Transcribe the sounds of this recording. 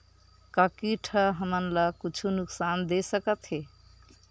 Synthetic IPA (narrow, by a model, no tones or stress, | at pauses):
kakiʈʰəɦəmənlakut͡ʃʰunuksand̪esəkət̪ɦe